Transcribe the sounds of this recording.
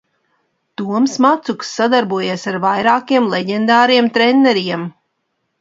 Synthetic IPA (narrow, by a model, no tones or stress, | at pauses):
t̪uɔmsmat̪suksːad̪aɾbuɔjeːsaɾvajɾaːkiɛmlˠɛɟend̪aːɾiɛmt̪ɾenːɛɾiɛm